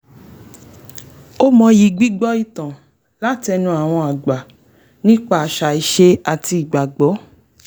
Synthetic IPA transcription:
o˦mɔ̃˧ji˧ɡ͡bi˦ɡ͡bɔ˦i˧tã˨ | la˦ti˦ɛ˧nũ˧˦a˨w̃ɔ̃˧a˨ɡ͡ba˨ | nĩ˦k͡pa˦˨a˨ʃa˨i˨ʃe˧˦a˨tiː˧˨ɡ͡ba˨ɡ͡bɔ˨˦

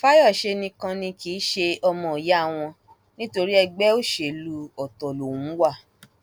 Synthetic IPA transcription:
fa˦jɔ˦˨ʃe˧nĩ˧kã˧nĩ˧kiː˨˦ʃe˧ɔ˧mɔ̃˧˨i˨ja˦˨w̃ɔ̃˧ | nĩ˦to˧ɾi˦ɛ˧ɡ͡bɛ˦o˦˨ʃe˨lu˧ɔ˨tɔ˨lo˨wũ˨˦wa˦˨

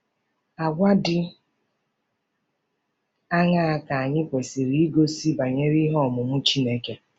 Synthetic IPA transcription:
a˨ɡʷa˦dɪ˦ | a˦ŋa˦a˨ka˨a˨ɲɪ˦kʷe˨si˨ɾi˦i˦ɡo˦si˦ba˨ɲe˦ɾi˦ɦɔ˦˨mʊ˨mʊ˦t͡ʃi˦ne˦ke˦

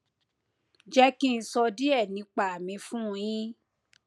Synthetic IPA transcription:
d͡ʒɛ˦kĩ˦n̩˧˦sɔ˧di˦ɛ˦˨nĩ˨˧˦k͡pa˨a˨mĩ˧fũ˦˧j̃ĩ˦

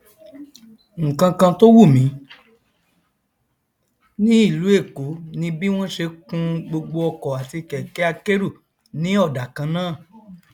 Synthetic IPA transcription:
ŋ̩˨kã˧kã˧to˦wu˦˨mĩ˨˦ | nĩ˦i˦˨lu˨˦e˦˨ko˨˦nĩ˧˦bi˦w̃ɔ̃˦ʃe˧kũ˧˦ɡ͡bo˧ɡ͡bo˧ɔ˧kɔ˨a˨ti˧kɛ˨kɛ˨˦a˧ke˦ɾu˦˨ | nĩ˨˦ɔ˦˨da˨kã˧nãː˦˨

